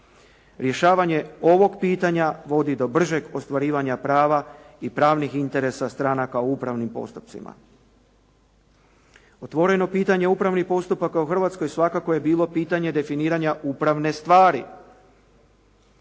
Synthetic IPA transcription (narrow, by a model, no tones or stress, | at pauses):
ɾje̞ʃaːʋaɲe̞o̞ʋo̞ɡpiːt̪aɲaʋo̞d̪id̪o̞br̩ʒe̞ɡo̞st̪ʋaɾiːʋaɲapɾaːʋaipɾaːʋnixint̪e̞ɾe̞sast̪ɾanakaoupɾaʋnimpo̞̰st̪u̥p̚t̪sḭma̰ | o̞t̪ʋo̞ɾe̞no̞piːt̪aɲe̞upɾaʋnipo̞st̪upakauxr̩ʋat̪skojsʋakako̞je̞biːlˠo̞piːt̪aɲe̞d̪e̞finiːɾaɲaʔupɾaʋne̞st̪ʋaːɾi